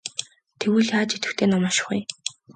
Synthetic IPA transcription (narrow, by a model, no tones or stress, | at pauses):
t̪ʰewɘːɮjaːt͡ɕit̪ɘ̆xt̪ʰeːnɔmɔːʃɪ̥̆χɡṵj